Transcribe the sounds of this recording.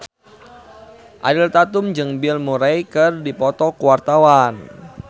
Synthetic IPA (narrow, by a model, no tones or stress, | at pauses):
ʔa̰dilt̪at̪ʊmd͡ʒɨŋbɪlmuɾajkɨrdipɔt̪ɔkuwart̪awan